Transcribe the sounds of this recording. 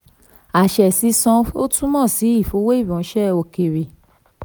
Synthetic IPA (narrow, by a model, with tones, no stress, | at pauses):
a˨ʃɛ˨si˧sɔ̃˧o˦tũ˦mɔ̃˦˨si˨˦i˦˨fo˧˦we˦i˦˨bɔ̃˨˦ʃɛ˦o˨ke˨ɾe˨